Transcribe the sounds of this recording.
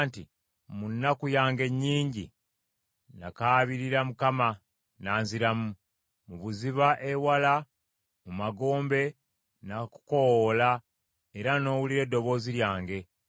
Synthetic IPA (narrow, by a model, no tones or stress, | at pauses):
nti | munːakujaːŋɡe̞ɲːiːɲɟḭ | nakaːβiɾiɾamukama | naːnziɾamu | muβuziβaʔe̞wala | mumaɡo̞ːmbe̞ | naku̥kowla | e̞ɾano̞ːwuliɾe̞dːo̞βo̞ːziɾjaːŋɡe̞